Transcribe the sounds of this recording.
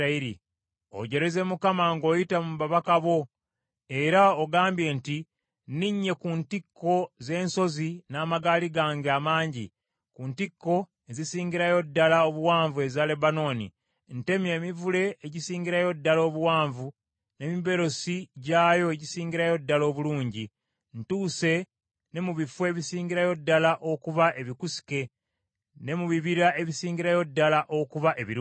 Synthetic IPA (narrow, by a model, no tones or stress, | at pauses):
iɾḭ | o̰ɟe̞ɾe̞ze̞mukamaŋɡo̞ːjitamuβaβakaβo̞ | e̞ɾaoɡaːmbje̞nti | niɲːe̞kuntikːo̞ze̞ːnso̞zinaːmaɡaːliɡaːŋɡamaːɲɟḭ | kuntikːo̞ | e̞zisiːŋɲɟiɾajo̞dːalaoβuwaːɱvue̞zale̞bano̞ːnḭ | nte̞mje̞ːmivule̞ːɟisiːɲɟiɾajo̞dːalo̞ːβuwaːɱvu | ne̞miβe̞ɾo̞siɟaːjo̞eɟisiːɲɟiɾajo̞dːalo̞ːβuluːɲɟi | ntuːse̞ | ne̞muβifwe̞ːβisiːŋɟiɾajo̞dːalaʔo̞kuβaʔe̞βikusi̥ke̞ | ne̞muβiβiɾae̞βisiːɲɟiɾajo̞dːalaʔo̞kuβaʔe̞βiɾ